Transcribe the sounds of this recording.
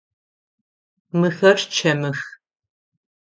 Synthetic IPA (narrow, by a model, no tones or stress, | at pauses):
mɨxɐrt͡ʃʰɐmɨx